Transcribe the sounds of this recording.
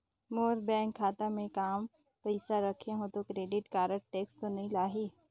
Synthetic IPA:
moːɾbɛ̃ːŋkʰːaːt̪amẽkaːm | pəɪsaɾɐkʰeɦõt̪okɾeːɖɪʈkaːɾəɽ̚ʈeːkst̪onɐɦĩlaːɦiː

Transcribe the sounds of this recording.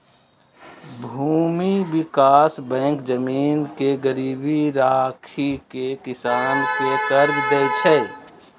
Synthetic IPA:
bʱuːmibikaːsbɛ̃ːŋkd͡ʒəmiːnkeɡəɾiːbiɾakʰikekɪsaːnkekəɾd͡ʒɡəjt͡ʃʰɛ

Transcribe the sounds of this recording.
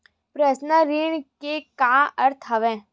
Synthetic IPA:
pɾəsnəɾiɳkekãːəɾt̪ʰəʋɛ̃ː

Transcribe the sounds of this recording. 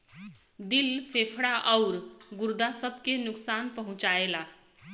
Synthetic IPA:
d̪ilpʰepʰɽaʔɔʊɾɡuɾd̪asəbʱkenʊksanpəɦũt͡ʃaela

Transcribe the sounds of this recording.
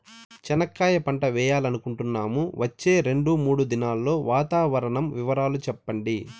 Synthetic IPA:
t͡ʃɛnɐkːaːjɐpɐɳʈɐʋɛːjaːlɐnukuɳʈunːaːmuʋɐt͡ʃːe̞ːɾe̞ɳɖumuːɽud̪inaːlːo̞ːʋaːt̪aːʋɐɾɐɳɐmʋiʋɐɾaːlut͡ʃɛpːɐɳɖi

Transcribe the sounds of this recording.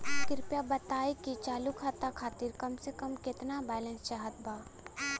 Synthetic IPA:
kɪɾpjabɐt̪aːikit͡ʃaːlukʰat̪akʰaːt̪iːɾkɐmsekəmkɪt̪nabɛːlə̃nst͡ʃaɦət̪̚baː

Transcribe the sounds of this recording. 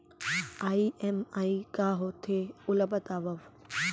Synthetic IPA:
aːiʔemaːikaːɦot̪ʰeʊləbət̪aːʋɐʋ

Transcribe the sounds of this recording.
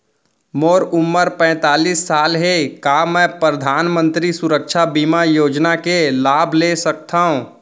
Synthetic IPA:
moːɾʊmːəɾpɛ̃ːt̪aːlisːaːlɦekaːmɛ̃ːpɾəd̪ʱaːnmə̃nt̪ɾisʊɾəkʃʰabiːmajoːd͡ʒnakelaːbʱlesək̚t̪aːɦũ

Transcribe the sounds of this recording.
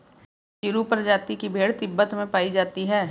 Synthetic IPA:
ʃɪɾupɐɾd͡ʒaːt̪ikibʱeːɽt̪ɪbːət̪mẽpaːid͡ʒaːt̪iɦɛː

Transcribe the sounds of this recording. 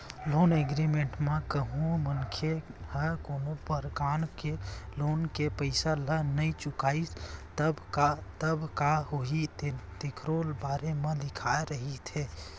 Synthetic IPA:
loːneɡɾimẽɳʈmẽkəɦũmənkʰehəɾkoːnopəɾkaːnkeloːnkepəɪsalənəit͡ʃʊkait̪əbkat̪əbkaɦoɦit̪t̪ikʰɾolbaɾemẽd̪ɪkʰaeɾəɦit̪ʰe

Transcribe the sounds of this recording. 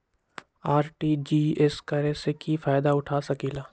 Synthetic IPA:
aːɾʈiːd͡ʒiːɛskəɾẽsekifaːjd̪aʊʈʰaːsɐkiːlaː

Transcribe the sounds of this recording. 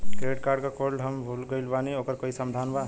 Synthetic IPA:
kɾeʈkaɖkakolɖɦəmbʱulɡəjlbaniokəɾkʌɦisəmd̪ʱanba

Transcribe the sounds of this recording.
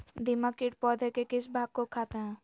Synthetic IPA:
d̪ɪmakɪʈ̚pɔːd̪ʱekekɪsbʱaːɡ̚kokʰaːt̪eɦɛ̃ː

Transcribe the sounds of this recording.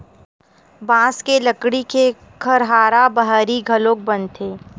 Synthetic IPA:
bãːskeləkɽike | kʰɐɾɦaːɾabɐɦəɾiɡʱɐlõːk̚bɐnt̪ʰeː

